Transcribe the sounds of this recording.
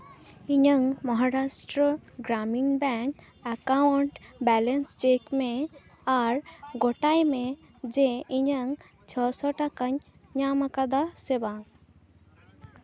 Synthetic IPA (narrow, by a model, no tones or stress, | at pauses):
iɲəŋmɔɦaɾasʈɾəɡɾaminbɛŋk | akawuɳʈbɛlenst͡ʃekme | aɾɡɔʈajme | d͡ʒeiɲəŋ | t͡ʃʰɔsɔʈakaɲ | ɲamakad̪asebaŋ